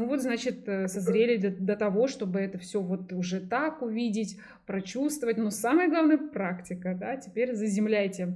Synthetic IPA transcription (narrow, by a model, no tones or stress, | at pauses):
nuvo̞t̪znat͡ɕɪt̪ːsɐzɾʲelʲɪd̪ət̪ɐvo̞ʂt̪o̞bɨɛt̪əfsʲɵvo̞t̪ʊʐɛt̪akʊvʲidʲɪtʲ | pɾɐt͡ɕust̪vəvətʲnosaməjəɡlˠavnəjəpɾaktʲɪkəd̪atʲɪpʲeɾʲzəzʲɪmlʲæjtʲɪ